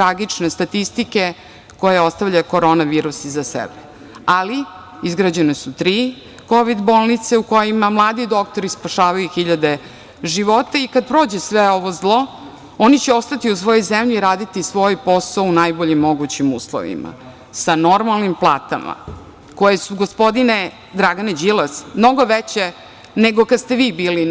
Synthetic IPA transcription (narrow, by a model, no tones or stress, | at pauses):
t̪ɾaɡit͡ʂnest̪at̪ist̪ike̞ | ko̞jeo̞st̪aʋʎako̞ɾo̞naʋiːɾusizasḛbe | ali | izɡɾad͡ʑenesut̪ɾiː | ko̞ʋid̪bo̞ːlˠnit̪seuko̞jimamlˠaːd̪id̪o̞kt̪oɾispaʃaːʋajuxiʎad̪e | ʒiʋo̞t̪aikad̪̚pɾo̞ːd͡ʑesʋeo̞ʋo̞zlˠo̞ | onit͡ɕɛo̞st̪at̪iusʋo̞jojzemʎiiɾaːd̪it̪isʋo̞jpo̞saunajboʎimːo̞ɡut͡ɕimṵːslˠo̰ʋḭma̰ | sano̞ɾmalnimplˠaːt̪a̰ma̰ | ko̞jesuɡospo̞d̪ine | d̪ɾaɡaned͡ʑilasmno̞ɡo̞ʋet͡ɕe | neɡokad̪st̪eʋiːbiːli